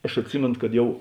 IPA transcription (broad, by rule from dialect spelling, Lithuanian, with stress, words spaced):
ɐʃ ɐtʲˈsʲɪmʲeːnʊ kɐt ˈjɛʊ